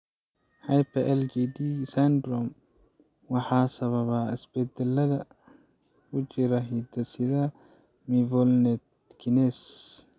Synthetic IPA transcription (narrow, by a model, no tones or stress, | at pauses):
hajpɛʔɛld͡ʒid̪isand̪ɾɔm | wɑħaːsɐβɐβaɪsb̥ɛd̪ɛlːɐðɐ | kʊd͡ʒɪɾɐɦid̪ɐsɪðɐ | mivɔlnɛt̪ | kinɛs